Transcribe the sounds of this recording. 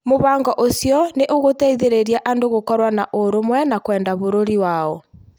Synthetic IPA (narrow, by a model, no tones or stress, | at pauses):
moβaːŋɡɔʔosjɔneʔoɣotɛiðeɾeɾiaʔandoɣokɔɾwanaʔoɾomwɛnakwɛːndaβoɾoɾiwaɔ